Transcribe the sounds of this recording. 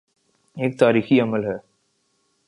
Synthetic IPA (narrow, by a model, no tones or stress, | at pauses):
eːk̚t̪aːɾiːxiɐməlɦɛː